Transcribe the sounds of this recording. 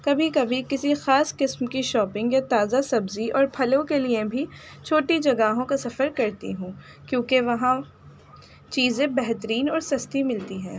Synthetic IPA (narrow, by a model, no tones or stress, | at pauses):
kɐbʱikɐbʱikɪsixaːsqɪsmkiʃɔːpɪ̃ŋɡjat̪aːzasɐbziʔɔːɾpʰɐlõkeliebʱi | t͡ʃʰoːʈid͡ʒɐɡaːɦõkasɐfəɾkɐɾt̪ḭɦũː | kjõːkeʋɐɦã | t͡ʃiːzẽbɛɦt̪əɾiːnɔːɾsɐst̪imɪlt̪iɦɛ̃ː